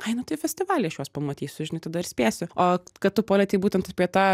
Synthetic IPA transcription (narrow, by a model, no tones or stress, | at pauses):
ɐɪnʊt̪ɐɪfʲɛsʲt̪ʲɪʋɑːlʲɛɪɐʃjuɔspɐmɐt̪ʲiːsʲʊʒʲɪnɐɪt̪ɐd̪ɐɪɾsʲpʲæːsʲʊoːkɐtt̪ʊpoːlʲɛt̪ʲɪbuːt̪ʲɛnt̪ɐpʲiɛt̪ɑ